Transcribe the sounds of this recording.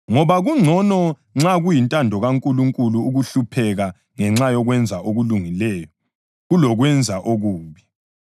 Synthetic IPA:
ŋɔβaɣuŋ͡ǀʱɔnɔ | ŋ͡ǁaɣujintʼandʱɔɣaŋkʼuluŋkʼuluːɣuɬupʰɛɣa | ŋɛŋ͡ǁajɔɣwɛnd͡zʱaʔoɣuluŋilɛːjɔ | ɣulɔɣwɛnd͡zʱaʔoɣuːβi

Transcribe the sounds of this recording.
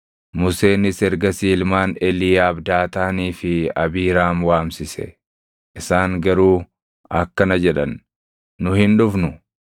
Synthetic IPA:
mʊse̞ːnɪsɛɾɡɐsiːlmaːnɛliːjaːbd̪aːt̪aːniːfɪɐbiːɾaːmwaːmsɪsɛ̰ | ʔɪsaːŋɡɐɾuː | ɐkːɐnɐd͡ʒɛᶑɐ̰nː | ʊhɪnᶑʊfnʊ

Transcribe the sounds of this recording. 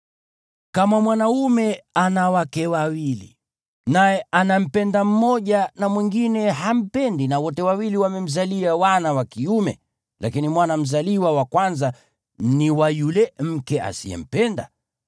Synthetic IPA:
kamamwanaumɛanawakɛwawilḭ | najɛanam̩pɛndam̩mɔʄanamwiŋɡinɛɦam̩pɛndinawɔtɛwawiliwamɛm̩zaliawanawakiumɛ̰ | lakinimwanam̩zaliwawakwanza | niwajulɛm̩kɛa̰sḭɛ̰m̩pɛnda̰

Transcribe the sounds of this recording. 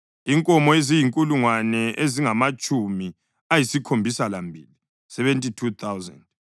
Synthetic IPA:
iŋkʼɔmɔezijiŋkʼuluŋwanɛʔeziŋamat͡ʃʼumi | ajisikʰombʱisalambʱḭːli | sɛβɛntʼitʰut̪ʰawzɛ̰nd

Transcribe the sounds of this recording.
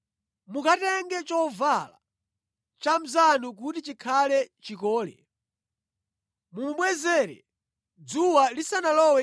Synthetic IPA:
mukatɛŋɡɛt͡ʃɔvala̰ | t͡ʃam̩zanuk̬utit͡ʃikʰalɛt͡ʃikɔːlɛ̰ | mumɓwɛzɛɾɛ̰ | d͡zuwalisanalɔwɛ

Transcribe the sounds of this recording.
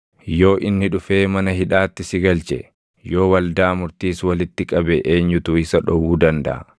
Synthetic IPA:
jo̞ːʔɪnːɪᶑʊfeːmɐnɐɦɪᶑaːt̪ːɪsɪɡɐlt͡ʃɛ̰ | jo̞ːwɐld̪aːmʊɾt̪iːswɐlɪt̪ːɪkʼɐbɛʔeːɲːʊt̪ʊɪsɐᶑɔwuːd̪ɐnd̪ɐ̰ʔɐ̰

